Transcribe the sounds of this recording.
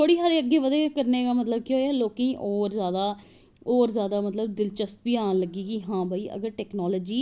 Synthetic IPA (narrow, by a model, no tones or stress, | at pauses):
tʰoːɽiːɦaːɾeːəɡːeːʋəd̪eːkəɾneːɡaːmət̪ləb̚kiɦoːɛːloːkĩːʔɔːɾzjaːd̪aː | oːɾzjaːd̪aːmət̪ləb̚d̪ɪlt͡ʃəst̪̚biːãːləɡiːɡiːɦãːbaːiːʔə̰ɡəɾʈɛːknɔːlɔːd͡ʒiː